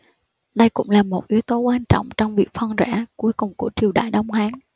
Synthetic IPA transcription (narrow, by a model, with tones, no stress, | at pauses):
ɗə˧jkʊ̰˧˥ŋ͡mlaː˨˩mo˨˩t̚ʔi˨˦əwt̪o˨˦kwaː˧nt͡ɕɔ̰˧˨wŋ͡mt͡ɕɔ˧wŋ͡mvi˨˩ək̚fə˧nzɛ̰˧˥ku˨˦əjkʊ˨˩ŋ͡mku˧˩ət͡ɕi˨˩əwɗa̰ː˧˨jɗə˧wŋ͡mhwaː˨˦n